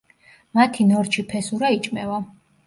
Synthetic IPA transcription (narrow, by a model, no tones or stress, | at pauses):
mat̪ʰinɔɾt͡ʃʰipʰɛsuɾait͡ʃʼmɛva